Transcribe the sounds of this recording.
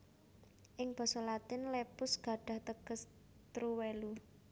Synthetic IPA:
ʔɪŋb̥ɔ̤sɔlat̪ɪnlepʊsɡ̥a̤ɖ̥a̤ht̪əɡ̥ə̤s | t̪ɾuwelu

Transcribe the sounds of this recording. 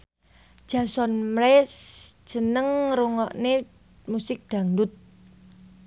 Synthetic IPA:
d̥ʒ̥a̤sɔnmɾɛsd͡ʒ̥ə̤nəŋruŋɔʔne | musɪk̚d̪̥a̤ŋdʊt̪̚

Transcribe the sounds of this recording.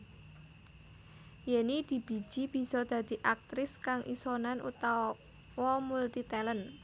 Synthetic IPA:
jenid̪̥i̤b̥i̤̥ʒ̥i̤b̥i̤sɔd̪̥ä̤d̪̥i̤ʔak̚t̪ɾɪskaŋʔḭsonanʔṵt̪a | wɔmult̪it̪ɛlən

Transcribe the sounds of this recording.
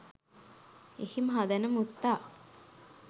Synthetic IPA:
ehimɦad̪ənəmut̪ːa

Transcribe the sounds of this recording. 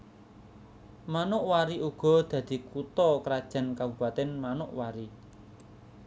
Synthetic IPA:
manʊʔwaɾiʔuɡ̥ɔ̤d̪̥ä̤d̪̥i̤kut̪ɔkɾad̥ʒ̥a̤nkabub̥a̤t̪ɛnmanʊʔwaɾi

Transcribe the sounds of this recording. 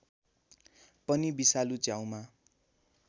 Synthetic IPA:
pʌnibisalut͡sjaw̃ma

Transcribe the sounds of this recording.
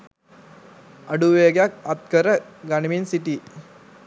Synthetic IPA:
ʔɐɖuʋeːɡejakɐt̪kəɾəɡɐniminsiʈiː

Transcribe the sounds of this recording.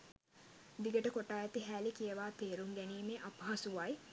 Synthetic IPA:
d̪iɡəʈəkoʈaːjɛt̪iɦæːlikijəʋaːt̪eːɾuŋɡæniːmeʔapəɦasuʋaj

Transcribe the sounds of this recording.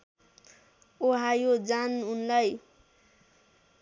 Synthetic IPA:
oɦajod͡zanunlaj

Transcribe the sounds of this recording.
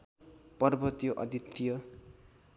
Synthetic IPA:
pʌrbʌt̪joʔʌ̰d̪ʱit̪ːjʌ

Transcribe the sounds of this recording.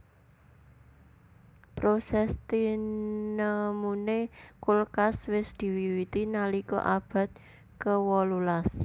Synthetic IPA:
pɾosɛst̪inəmunekulkaswɪsd̪̥i̤wiwit̪inalikɔ̰ʔab̥a̤t̪̚ | kəwɔlulas

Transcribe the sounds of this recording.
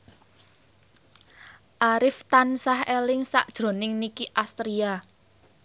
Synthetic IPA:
ʔaɾɪft̪ansahelɪŋsa̰ʔd̥ʒ̥ɾo̤nɪŋnikiʔast̪ɾia

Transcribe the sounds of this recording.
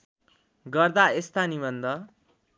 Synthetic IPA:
ɡʌrd̪aest̪anibʌnd̪ʌ

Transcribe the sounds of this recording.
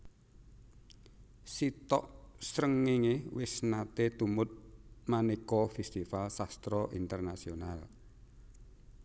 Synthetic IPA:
sit̪ɔʔsɾəŋːeŋewɪsnat̪et̪umʊt̪̚manekɔfɛst̪ifalsast̪ɾɔʔint̪ərnasional

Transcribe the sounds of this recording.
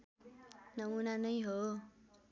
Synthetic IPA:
nʌmunanʌjɦo

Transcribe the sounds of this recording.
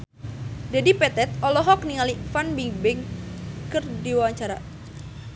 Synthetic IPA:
dadipɛt̪ɛt̪̚ɔlɔɦɔk̚niŋalifanbibɛŋkərdiwawaɲt͡ʃaɾa

